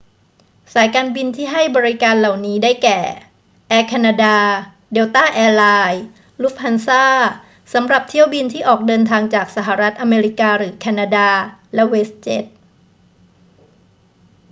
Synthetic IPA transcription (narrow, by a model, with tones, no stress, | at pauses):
saː˩˦jkaː˧nbi˧nt̪ʰiː˥˩ɦa˥˩jbɔː˧ɾi˦˥kaː˧nla˨˩wniː˦˥daː˥˩jkɛː˨˩ | ʔɛː˧kʰaː˧naː˧daː˧ | deː˧wt̪aː˥˩ʔɛː˧laː˧j | lu˦˥p̚ha˧nsaː˥˩ | sa˩˦mɾa˨˩p̚t̪ʰi˥˩əwbi˧nt̪ʰiː˥˩ʔɔː˨˩k̚dɤː˧nt̪ʰaː˧ŋt͡ɕaː˨˩k̚sa˧˩ɦa˨˩ɾa˦˥t̪̚ʔa˧meː˧ɾi˦kaː˧ɾɯː˩˦kʰaː˧naː˧daː˧lɛ˦˥we˦˥s̚t͡ɕe˦˥t̪̚